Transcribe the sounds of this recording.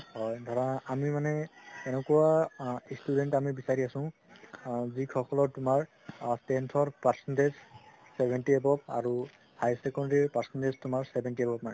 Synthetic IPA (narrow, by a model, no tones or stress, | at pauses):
hɔjdʱɔɹanaʔamimanɛɛnɛkuwastudɛntamibisaɹiasʊ̃ | zikʰɔkɔlɔɹtʊmaɹ | stɛntʰɔɹpaɹsɔndez | sɛbʱɛntiebɔpa̰ɹu | hajsɛkɔndaɹipaɹsɔndeztʊmaɹsɛbʱɛntiɛbɔp̚manɛ